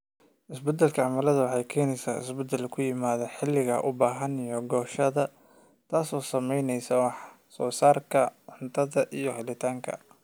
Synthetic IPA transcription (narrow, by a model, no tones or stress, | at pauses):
ʔɪsbɛd̪ɛlkʰɐʕɑmɐlɐðɐwɑħɑjkʰɛːnɛjsaːɪ̰sbɛd̪ɛlkʰʊjɪmaːðɐħɪlːɪɣɐ̰ʔʊbaːɦɐnijɔɡɔːʃɐðɐ | t̪ʰaːsɔːsɐmɛjnɛjsɐwɑħ | sɔːsaːrkʰɐʕʊnt̪ʰɐðɐʔijɔhɪlɪt̪ʰaːŋkʰɐ̰